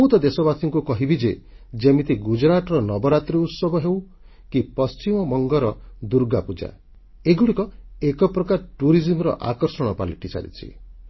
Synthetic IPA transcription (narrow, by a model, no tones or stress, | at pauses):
ut̪ɔd̪esɔbasʰɔŋkukɔɦibid͡ʒe | d͡ʒemit̪iɡud͡ʒɾaʈɔɾɔnɔbɔɾat̪ɾiut̪sɔbɔɦew | kipɔst͡ʃimɔmɔŋɡɔɾɔd̪uɾɡapud͡ʒa̰ | eɡuɽikɔekɔpɾɔkaɾʈuɾizimɔɾɔ̰ʔa̰kɔɾsɔɽ̃ɔpaliʈisa̰ɾḭt͡ʃʰḭ